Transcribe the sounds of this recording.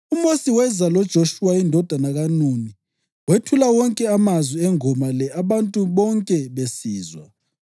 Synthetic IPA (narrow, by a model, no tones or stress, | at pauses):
umosiwɛzalɔd̥ʒ̥ʱoʃuwaindʱɔd̥ʱanaɣanuni | wetʰulawɔŋkʼɛamazwiɛŋɔmalɛʔaβantʼuβɔŋkʼɛβesiːzwa̰